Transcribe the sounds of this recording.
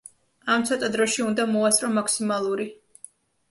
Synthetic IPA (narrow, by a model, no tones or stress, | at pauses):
amt̪sʰɔt̪ʼad̪ɾɔʃiund̪amɔast̪ʼɾɔmaksimalˠuɾi